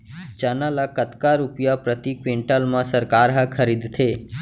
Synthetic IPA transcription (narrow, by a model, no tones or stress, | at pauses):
t͡ʃənalakət̪kaɾupjapɾət̪ikʋeɳʈəlmãsəɾkaɾɦəkʰəɾid̪t̪ʰe